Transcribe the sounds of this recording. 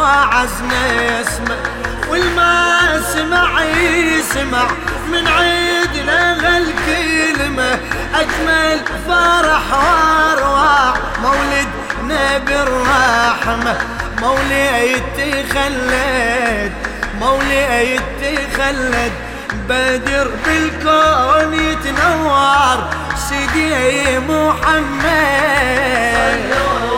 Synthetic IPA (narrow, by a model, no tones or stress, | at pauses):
aʕaznajasmawɪlmasɪmaʕjsɪmaʕ | mɪnʕiːd̪naɣalkalmaʔakmalfɑːɾˤɑħwaɾˤwaːħmawlɪd̪nabɪɾːɑːħmamawliʔajɪt̪ːiɣalːad̪̚mawliʔajɪt̪ːiɣalːad̪̚ | bad̪ɪɾbɪlkonjɪt̪nawːɑɾˤsid̪iʔajmʊħamːa | d̪